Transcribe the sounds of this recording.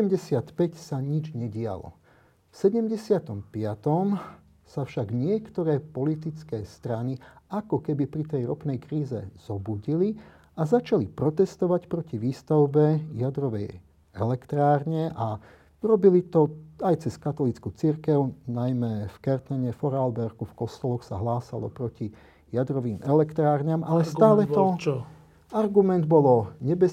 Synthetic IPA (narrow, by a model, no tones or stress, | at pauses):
ɛmɟɛsɪat̪pɛcsaɲid͡ʒɲɛɟɪa̰lɔ̰ | fsɛɟɛmɟɛsɪat̪ɔmpɪat̪ɔm | safʃaɡɲɪɛkt̪ɔɾɛːpɔlit̪it͡skɛːst̪ɾaniakɔkɛbipɾit̪ɛjɾɔpnɛjkɾiːzɛ̰z̥ɔbuɟili | azat͡ʃalipɾɔt̪ɛst̪ɔʋacpɾɔciʋiːst̪aʊbɛjad̪ɾɔʋɛ̰j | ɛ̰lɛkt̪ɾaːɾɲɛʔa | uɾɔbilit̪ɔajt͡sɛskat̪ɔlit͡skut͡siɾkɛʊnajmɛfkɛɾt̪nɛɲɛfɔɾalbɛɾɡufkɔst̪ɔlɔxsa̰ɦlaːsalɔ̰pɾɔci | jad̪ɾɔʋiːmɛlɛkt̪ɾaːɾɲamʔalɛst̪aːlɛt̪ɔɔ | aɾɡumɛnd̪bɔlɔɲɛbɛ